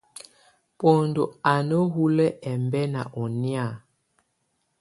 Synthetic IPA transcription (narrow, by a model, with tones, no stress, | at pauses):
po˨ndo˨a˨no˦hu˦lɛ˦ʔɛ˨mbɛ˦na̰˨ʔɔ˨ni˦a˦˨